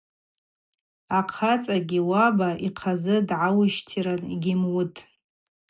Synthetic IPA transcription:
aqʰat͡sʼaɡʲiwabaiqʰazɨdʕawʊʃtʰiɾanɡʲɪmwʊtʼ

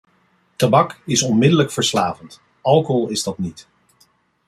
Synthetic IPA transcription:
tabɑkɪsɔnmɪdələkfəɹslaːvənt | ɑlˠkəɦɔlˠɪzdɑtnit

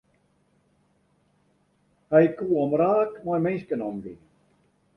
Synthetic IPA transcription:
hajkuːɔmɾaːkmɔjmejskənɔmvḭ

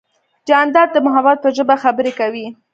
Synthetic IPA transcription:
d͡ʒɑnd̪ɑd̪̚d̪əmʊɦawɑt̪̚pəʒəbaxabəɾekawi

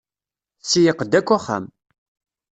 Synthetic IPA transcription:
sijəqd̪ækʷːæχa̰m

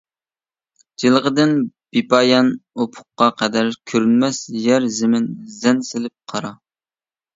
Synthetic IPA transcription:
d͡ʒilˠʁəd̪ɪnb̥ipʰɑjɑnopʰʊ̥qːɑqʰɛd̪æɾkʲʰøɾynmɛsjɛɾzɪmɪnzɛnsɪlɪp̚qʰɑɾɑ

